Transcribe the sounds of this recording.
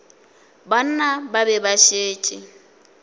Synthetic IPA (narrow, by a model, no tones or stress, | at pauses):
ban̩nababɛbaʃeːt͡ʃʼɪ